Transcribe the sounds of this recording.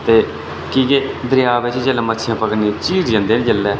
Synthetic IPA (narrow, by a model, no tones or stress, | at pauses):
t̪eː | kiːkeːd̪əɾjaːʋet͡ʃd͡ʒəlːɛːmət̪ːʃʰijãːpəkəniːt͡ʃiːzd͡ʒãːnd̪eːnĩd͡ʒəlːɛː